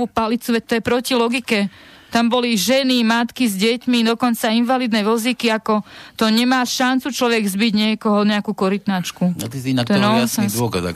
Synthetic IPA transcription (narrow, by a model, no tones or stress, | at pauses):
upalit͡suʋɛct̪ɔjɛpɾɔcilɔɡikɛ | t̪ambɔliʒɛnimat̪kizɟɛcmid̪ɔkɔnt͡sainʋalid̪nɛʋl̩zikiakɔt̪ɔɲɛmaːʃant͡sut͡ʃlɔʋɛɡzbiɟɲɪɛkɔɦɔɲɛakuːkɔɾit̪nat͡ʃkut̪isiat̪ɔɛɛnɔsɛd̪ɔka̰za̰k